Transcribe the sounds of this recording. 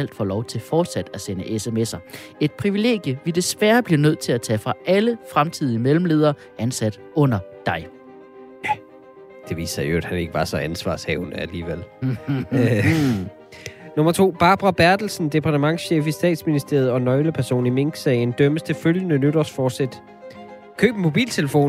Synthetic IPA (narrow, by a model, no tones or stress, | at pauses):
æl̰d̥fɒ̰ːlɒʊt͡sʰe̝lfɒːd̥sæd̥æsenəʔesemesɐe̝d̥̚pʰʁiʋile̝̰ːɡ̥jəʋid̥e̝sʋæɐb̥liɐnøð̞̰ˠt͡sʰe̝læt͡sʰɛfʁɑ̈ʔæləfʁamt͡sʰið̰ˠiəmelm̩le̝ːðˠɐː | ænsæd̥ | ɔ̽n̰ɐd̥ɑ̈ɪ | jæ | d̥e̝ʋḭːsɐjo̝æd̥hæne̝ɡ̥əʋɑ̈sɒ̽ænsʋɑ̰̈ːshɛ̰ʊnəæliːʋel̰ | no̽mɐt͡sʰo̝̰ːb̥ɑ̈ːb̥ʁɑb̥æɐd̥l̩sn̩d̥e̝pʰɑ̈dʰəmɑ̈ŋsɕḛːfisd̥ɛ̰ːd̥sminisd̥e̝ɐð̞̩ˠɒ̽nɒ̽ɪləpʰæɐso̝̰ːnime̝ŋɡ̥sɛɪnd̥œməst͡sʰe̝føljənənøɾɐsfɒ̥ːsed̥ | kʰø̰ːb̥mo̝b̥ḭːlt͡sʰe̝ləfo̝̰ːn